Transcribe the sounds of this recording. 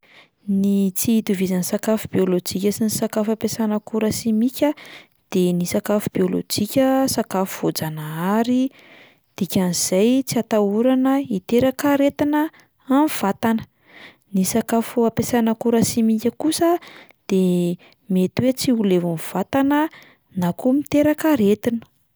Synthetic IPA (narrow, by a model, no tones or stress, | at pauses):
nit͡siit̪uvizansakafubiolod͡ʒikʲəsinisakafapesanakuɾəsimikʲə | d̪̥enisakafub̥iolo̰d͡ʒikʲəsakafuvod͡zanaaɾi | d̪̥ikʲaniz̥ajt͡siat̪auɾanəit̪eɾakaɾet̪inəː | niv̥at̪anə̥ | nisakafuapesanəkuɾasimikʲəkusəd̪̥e | met̪wet͡siulevanv̥at̪anə | nakumit̪eɾakəɾet̪inə̥